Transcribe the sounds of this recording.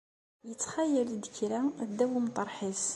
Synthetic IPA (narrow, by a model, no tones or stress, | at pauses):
jət͡sːxæjəld̪kɾæd̪ːæwimt̪ˤɑɾˤħis